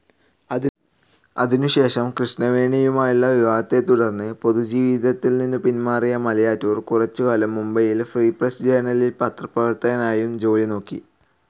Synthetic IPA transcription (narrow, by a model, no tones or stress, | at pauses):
ɐ | ɐðinuɕe̞ːʂɐmkrɨʂnɐʋe̞ːɳɐjumaːjuɭːɐʋiʋaːɡɐt̪ːe̞t̪uɽɐrnːɨpo̞ðud͡ʑiːʋiðɐt̪ːilninːɨpinmaːrijɐmɐlɐjaːtːuːrkurɐt͡ɕːɨʋɐlɐmːumbɐjilfriːprɐsd͡ʑeːɳɐlilpɐt̪rɐpːɐʋɐrt̪ɐɣɐnaːjumd͡ʑo̞ːlino̞ːkːḭ